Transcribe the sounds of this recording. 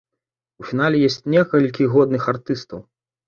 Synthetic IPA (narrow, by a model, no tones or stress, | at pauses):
ufʲinalʲɛjɔsʲt͡sʲnʲɛkɐlʲkʲiɣɔd̪nɨxart̪ɨst̪ɐw